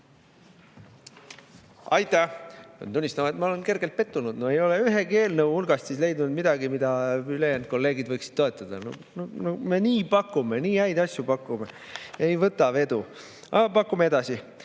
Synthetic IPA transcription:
ɑjt̪ˑæo̰nt̪unːist̪ɑmɑet̪mɑole̞nke̞rɡe̞lt̪̚pe̞t̪ˑːunud̪noe̞jo̞le̞yɦeke̞ːlnəwulɡ̥ɑst̪sisle̞jd̪nud̪mid̪̥ɑɡimid̪̥ɑyle̞jæːnd̪̥̚ko̞lːe̞ːɡid̪̥vɤjksi̥d̥̪̚o̞e̞t̪ːˑɑd̪̥ɑ̰no̰nonome̞niːpɑkːume̞niːæjd̪ɑsʲjupɑkːˑume | ejvɤt̪ːˑɑve̞d̪̥u | ɑ̰ɡɑpɑkːˑumee̞d̪̥ɑsi

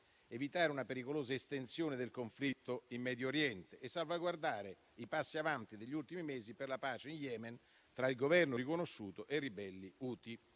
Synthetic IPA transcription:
evit̪aːɾeunapeɾikoloːzaest̪ensjoːned̪elkoɱflit̪ːoimːɛːd̪joːɾjɛnt̪eʔesːalvaɡward̪aːɾe | ipasːiavant̪id̪eʎːult̪imimeːziperlapaːt͡ʃeinjɛːmen | t̪ɾailɡovɛrnorikonoʃːuːt̪oʔerːibɛlːiuːt̪i

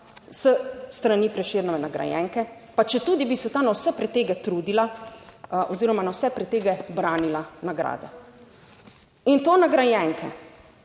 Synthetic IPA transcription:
səst̪ɾaniːpɾɛʃeːɾnɔʋɛnaɡɾa̰jɛ̰ŋkɛpat͡ʃɛt̪uːd̪ibisɛt̪aːnawsɛpɾɛt̪eːɡɛt̪ɾuːd̪ila | ʔɔziːɾɔmanawsɛpɾɛt̪eːɡɛbɾaːnilanaɡɾa̰ːd̪ɛ | int̪oːnaɡɾajɛŋkʰɛ̰

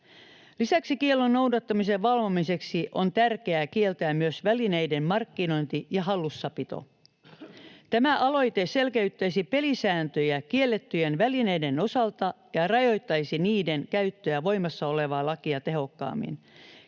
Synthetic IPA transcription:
lisæksikielːonːo̞wdɑt̪ːɑmise̞ʋʋɑlʋomise̞ksiʔo̞nt̪ærke̞ækie̞lt̪æːmmyøsʋæline̞ide̞mmɑrkːino̞int̪ijɑɦɑlːusːɑpit̪o̰ | t̪æmæʔɑlo̞jt̪e̞se̞lkeyt̪ːæjsipe̞lisæːnt̪øjækielːe̞t̪ːyjenʋæline̞jde̞no̞sɑlt̪ɑ | jɑrɑjo̞jt̪ːɑjsiniːde̞nkæyt̪ːøjæʋo̞jmɑsːɑo̞le̞ʋɑːlɑkiɑt̪eɦo̞kːɑ̰ːmːḭn

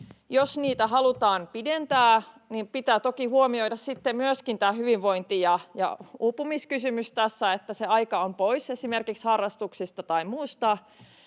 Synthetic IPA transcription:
josniːt̪æhɑlut̪ɑːnpident̪æː | nimpit̪æːt̪okihuomioidɑssit̪ːemmyøskint̪æːhyʋiʋʋo̞int̪ijɑjɑ̰upumiskysymyst̪æsːæet̪ːæseɑikɑompoisesimerkikshɑrːɑst̪uksist̪ɑt̪ɑimuːst̪ɑ

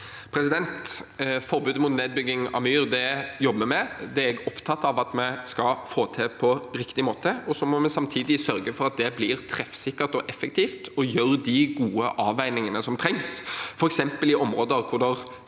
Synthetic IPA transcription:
pʰɾɛsɪd̪ɛnt̪fɔɾbʉːd̪mʊt̪neːd̪̚bʏɡːɪŋɑ̰myːɾd̪ɛjɔbːəmɛd̪ɛæɾɛɡɔpt̪ʰɑt̪ːɑʋɑt̪mɛskɑfoːt̪ʰɛpʰɔɾɪkt̪ɪmoːt̪əɔsɔmɔmɛsɑmt̪ʰiːd̪ɪsœɾɡəfɔɾɑt̪̚d̪ɛbliːɾt̪ʰɾɛfsɪkːəɾt̪ɔʔɛfːɛkt̪ʰiːft̪ɔjøɾd̪ɪɡuːəʔɑːʋæɪnɪŋənəsɔmt̪ʰɾɛŋsfɔɾɛksɛmpəlɪʔɔmɾoːd̪əɾkʰʊɾd̪ɛʁ

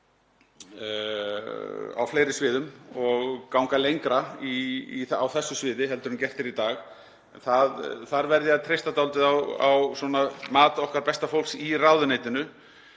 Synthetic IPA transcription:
a̰wfleːjɾɪsvɪːðʏmɔɣkawŋkalejŋkɾaiawθɛsːʏsvɪːðɪɦɛlt̪ʏɾʏncɛft̪ɪɾit̪aːx | nθaðθaɾvɛɾðɪaðt̪ʰɾejst̪at̪awlt̪ɪðawawsɔnamaːt̪aɔhkaɾpɛst̪afowlksiraːwðʏneːjt̪ɪnʏ

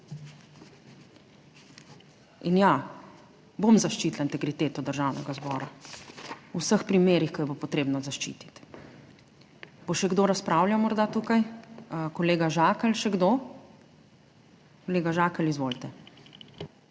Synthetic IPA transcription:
inja | bomzaʃt͡ʃiːt̪laint̪ɛɡɾit̪eːt̪ɔd̪əɾʒawnɛɡazbɔːɾa | uwsəxpɾimeːɾixkɔjɛbopɔt̪ɾeːbnɔzaʃt͡ʃḭːt̪i̥t̪ | b̥oʃɛɡd̪oɾaspɾawljamɔɾd̪at̪uːkajkɔleːɡaʒaːkɛlʃɛɡd̪o | koleːɡaʒakɛlizʋolt̪ɛ

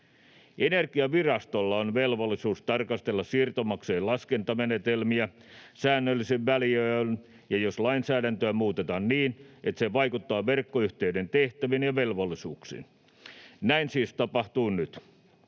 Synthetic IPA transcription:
enerkiɑʋirɑst̪olːɑonʋelʋolːisuːst̪ɑrkɑst̪elːɑssirt̪omɑkseːllɑskent̪ɑmenet̪elmiæ | sæːnːølːiseʋʋæliøːl | jɑjoslɑinsæːdænt̪øæmuːt̪et̪ɑnniːnet̪seʋɑikut̪ːɑːʋerkːoyht̪eydent̪eht̪æʋinjɑʋelʋolːisuːksḭn | næinsiːst̪ɑpɑht̪uːnnyt̪

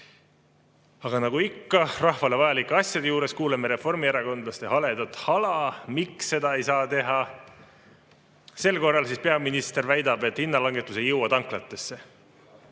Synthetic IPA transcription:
ɑɡ̥ɑnɑɡ̥uikːɑrɑhvɑle̞vɑjɑlikːˑeɑsʲjɑd̪ejuːɾe̞skuːlemeɾe̞fo̞rmieɾɑko̞nd̪lɑst̪e̞hɑle̞d̪ɑt̪hɑlɑmiksːe̞d̪ɑe̞jsɑːt̪e̞ɦɑ | se̞lko̞rːɑlsispe̞ɑminist̪e̞rvæjd̪ɑbe̞t̪hinːɑlɑŋɡ̥e̞t̪ːˑuse̞jɤwɑd̪ɑŋklɑt̪ːˑe̞sːe̞

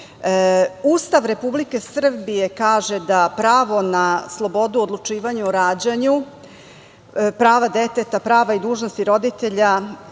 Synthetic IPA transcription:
uːst̪aʋɾe̞publike̞sr̩bije̞kaːʒed̪apɾaːʋo̞naslˠo̞bo̞d̪uod̪lˠut͡ʂiːʋaɲuoɾaːd͡ʑaɲu | pɾaːʋad̪et̪et̪apɾaːʋaid̪uːʒnost̪iɾo̞d̪it̪e̞ʎa

